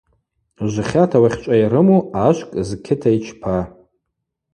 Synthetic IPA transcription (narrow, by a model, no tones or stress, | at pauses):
ʒʷɨχʲatʰawaχʲt͡ʃʷʼajɾɨmuaʃʷkʼzkʲʰɪtʰait͡ʃʰpʰa